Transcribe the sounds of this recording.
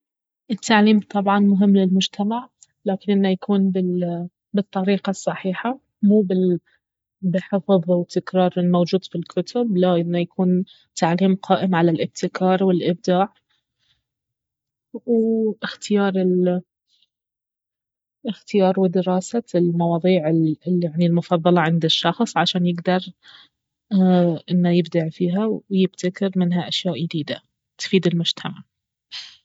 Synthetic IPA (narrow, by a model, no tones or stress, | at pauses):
ʔɪt̪ʰːaʕliːmt̪ˤʰɑbʕɑnmʊɦɪmːlɪlmʊd͡ʒt̪ʰamaʕ | laːkɪnʔɪnːajakuːnbɪ | bɨt̪ˤːɑɾiːqɑsˤːɑħiːħa | muːbɪ | bɪħɪfðˤwɪt̪ːɪkɾɑːɾˤɪlmowd͡ʒuːd̪filkʰʊt̪ʰʊblaʔɪnːajakʰuːn | t̪ːaʕliːmqʰɑːʔɪmʕalalʔɪb̚t̪ɪkɑːɾˤwɪlʔɪb̚d̪aːʕ | wʔɪxt̪ɪjɑːɾˤɪl | ɪxt̪ɪjɑːɾˤwɪd̪ɪɾɑːsalmɑwɑːðˤiːʕɪlaʕnilmʊfɑðˤːɑlɑʕɪnd̪ɪʃːɑxsˤʕaʃaːnjɪɡd̪ɑɾˤ | ʔɪnːojɪbd̪aʕfiːɦawwjɪb̚t̪ʰakɪɾmɪnɦaʔaʃjaːʔjɪd̪iːd̪a | t̪fiːd̪ɪlmʊʒ̥t̪ʰamaʕ